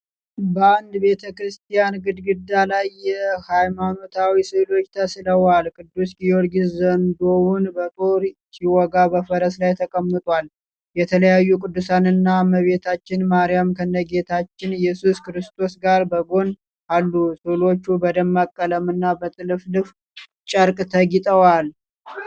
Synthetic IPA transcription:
bəand̪be̞t̪ʰəkɾɨst̪ʰijanɡɨd̪ɡɨd̪alajːɛhajmano̞t̪ʰawisɨlo̞t͡ʃːt̪ʰəsɨləwalkʼɨd̪ːusɡijoɾɡizənd̪o̞wʊnbət̪ʼo̞ɾsiwɔɡabəfəɾəslajt̪ʰəkʼəmːət̪ʼwal | jɛt̪ʰələjajːukʼɨd̪ːusanɨnːaməβe̞t̪ʰat͡ʃːɪnmaɾijamkʰənːəɡe̞t̪ʰat͡ʃːɪnjɛsuskɨɾɨst̪ʰo̞sɡaɾbəɡo̞n | ʔalːusɨlo̞t͡ʃːubəd̪əmːakʼːələmɨnːabət̪ʼɨlɨflɨf | t͡ʃʼəɾkʼt̪ʰəɡit̪ʼəwal

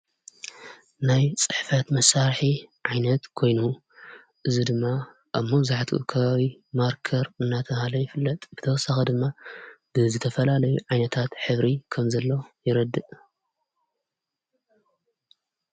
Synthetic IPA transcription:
najt͡sʼɨħfɐt̪mɐsːaɾħiʕajnɐt̪kʰo̞jnu | ʔɨzid̪ɨmːa | ʔaβmɐbzaħt̪ʰuʔṵkʰɐβaβimaɾkʰɐɾɨnːat̪ʰɐhalɐjɪfɨlːɐt̪ʼb̥ɨt̪ʰɐwsaxɐd̪ɨmːab̥ɨzɨt̪ʰɐfɐlalɐjuʕajnɐt̪ʰat̪ħɨβɾikʰɐmzɐlːo̞jɪɾɐd̪ːɨʔ

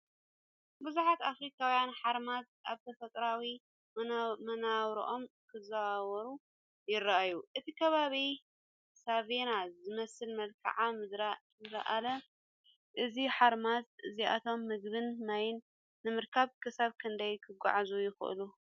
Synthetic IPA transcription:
bɨzuħat̪afɾikʰawjanħaɾmat̪̚ | ʔaβt̪ʰɐfɐt̪ʼɾawi | mɐnawɾḭʔo̞mkʰɨzawaβɐɾu | jɪraʔajuʔɨt̪ʰikʰɐβaβi | saβenazɨmɐsɨlmɐlkʰɐ̰ʕamɨd̪ɾa | zɨɾɐ̰ʔalɐ | ʔɨziħaɾmat̪ʔɨziʔa̰t̪ʰo̞mːɨɡbɨnnajnː | ɨmɨɾkʰaβkʰɨsaβkʰɨnd̪ɐjkʰɨɡʷa̰ʕzujɪxʔɨ̰lu

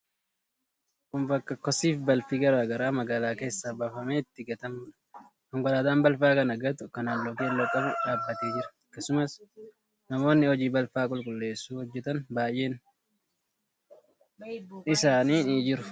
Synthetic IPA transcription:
kʼʊmbɐkːɐkɔsiːfbɐlfiɡɐɾaɡɐɾaːmɐɡaːlaːke̞ːsːabaːfɐmeːɪt̪ːɪɡɐt̪ɐm | kɐŋɡɔlaːt̪aːnbɐlfaːkɐnɐɡɐt̪ʊkɐnaːlːɔkeːlːɐkʼːɐbɛᶑaːbːɐt̪eːd͡ʒɪɾɐ̥ɐkːɐsʊmɐs | nɐmo̞ːnːɪhɔd͡ʒiːbɐlfaːkʼʊlkʼʊlːe̞ːsːuːhɔd͡ʒːɛt̪ɐnbaːjʔe̞ːn | ɪsaːniːniːd͡ʒɪɾʊ

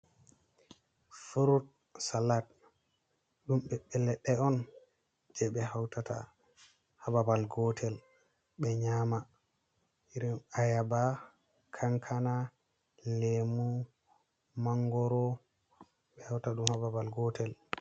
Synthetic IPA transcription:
fuɾut̚ | salat̚ | ɗumɓɛɓɛlɛɗːɛɔn | d͡ʒɛɓɛhawtata̰ | hababalɡɔtʰɛl | ɓɛɲaːma | iɾimajaba | kʰaŋkʰana | lemu | maŋɡɔɾɔ | ɓɛhawtaɗumhababalɡɔtʰɛl

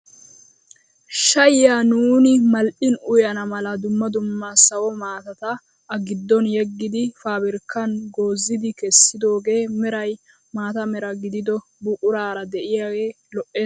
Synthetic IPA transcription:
ʃɐjjaːnuːnɪmɐlʔɪnʊjɐnɐmɐlɐd̪ʊmːɐd̪ʊmːɐsɐwɔmaːt̪ɐt̪ɐ | ɐɡɪd̪ːɔnjɛɡːɪd̪ɪfaːbɪɾkːɐnɡo̞ːzːɪd̪ɪkɛsːɪd̪o̞ːɡe̞ːmɛɾɐj | maːt̪ɐmɛɾɐɡɪd̪ɪd̪ɔ | bʊkʼʊɾaːɾɐd̪ɛʔɪjaɡeː | lɔʔeːs

